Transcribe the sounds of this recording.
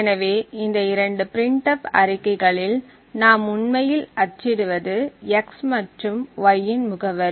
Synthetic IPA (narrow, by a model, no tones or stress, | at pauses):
ɛnɐʋeːɪnd̪ɐɪɾɐɳɖɯpɪɾɪɳʈɐpɐ̰ɾɪkːɐɪɣɐɭɪl | naːmʊɳmɐjɪlɐt͡ʃːɪɽɯʋɐðɯɐksmɐʈrɯmʋɐjːɪnmʊɣɐʋɐɾ